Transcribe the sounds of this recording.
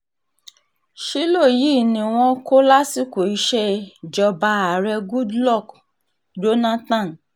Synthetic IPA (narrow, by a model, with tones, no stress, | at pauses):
ʃi˦lo˦˨ji˦˨nĩ˨w̃ɔ̃˧ko˦la˦si˦ko˨i˧˦ʃɛ˧d͡ʒɔ˧ba˧a˨ɾɛ˧ɡu˦dlɔ˦˨k | d͡ʒo˦nã˦tã˦˨n